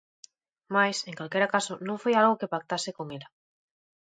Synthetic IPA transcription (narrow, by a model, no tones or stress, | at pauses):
majseŋkalkeɾakasonõŋfojalɣokepak̚t̪asɪkoŋela